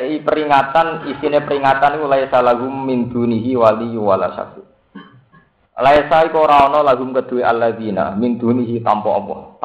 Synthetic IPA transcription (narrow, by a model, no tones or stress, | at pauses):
ipəɾiŋat̪anisinepəɾiŋat̪anikulaesalaɦʊmːind̪̥ṳniɦiwalijuwala̰ʃa̰ksi | laesaikɔɾaɔnɔlaɦʊmkəd̪̥ṳweʔalːaðina̰mind̪̥ṳniɦit̪ampɔ̰ʔɔpɔ̰t̪